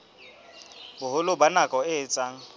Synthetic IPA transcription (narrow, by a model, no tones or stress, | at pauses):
bʊhʊlʊbanakʼɔɪt͡sʼaːŋ̩